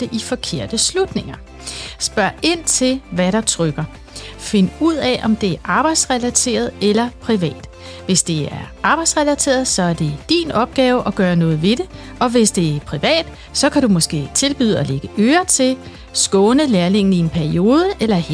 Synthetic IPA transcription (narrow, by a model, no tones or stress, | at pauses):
d̥eʔifɒ̽kʰe̝ɐ̰d̥əslud̥ne̝ŋɐ | sb̥ɶɐe̝n̰t͡sʰe̝lʋæɾɑ̈t͡sʰʁœɡ̥ɐ | fe̝nuð̞̰ˠɛʔɒ̽md̥e̝æɐʔɑ̈ːb̥ɑ̈ɪd̥sʁɛlæt͡sʰe̝̰ːɐð̞ˠelɐpʰʁiʋɛ̰ːd̥ | ʋe̝sd̥e̝æɐʔɑ̈b̥ɑ̈ɪd̥sʁɛlæt͡sʰe̝̰ːɐð̩ˠsɒ̽æɐd̥e̝d̥ḭːnɒ̽b̥̚ɡ̥ɛːʊəʔɒ̽ɡ̥ɶːɐnɔ̽ːð̞̩ˠʋe̝ɾe̝ | ɒ̽ʋe̝sd̥e̝æɐpʰʁiʋɛ̰ːd̥ | sɒ̽kʰæɾ̥umɔ̽sɡ̥e̝̰ːt͡sʰe̝lb̥y̰ːðˠɒleɡ̥əʔøːɐt͡sʰe̝ | sɡ̥ɔ̽ːnəleːɐle̝ŋ̰n̩ie̝npʰæɐio̝ːð̞ˠəʔelɐ